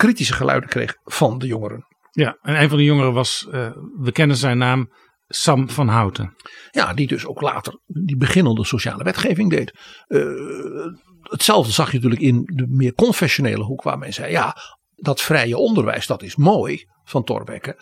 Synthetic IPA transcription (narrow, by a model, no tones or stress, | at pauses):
kritisəχəlʔœ̰ɥdəkrḛːχfɑndəjoŋəɾə̰n | jaɛnejnvɑ̃ndəjoŋəɾəʋɑsʋəkɛnənzɛjnːaːm | sɑmfɑnɦawtʰəja̰didøsowkla̰ːtərdibəχɪnəndəsoʃa̰ːləʋɛtχeːvɪŋdejt | ətsɛlˠvdəzɑxjənətyələkɪndəmɪːkɔnfɛsjonḛːləɦukʋa̰ːɹmɛnzɛjja̰ | dɔtfrɛjəɔndərʋɛ̰jsd̥ɔtɪsmoːj | fɑntɔ̰rʋɛ̰kə